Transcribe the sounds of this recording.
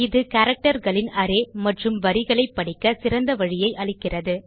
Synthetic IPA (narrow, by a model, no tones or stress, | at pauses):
ɪðɯkɐɾɐk̚ʈɐɾɣɐɭɪnɐɾeːmɐʈrɯmʋɐɾɪɣɐɭɐɪpːɐɽɪkːɐsɪɾɐnd̪ɐʋɐɻɪjɐɪʔɐɭɪkːɪrɐðɯ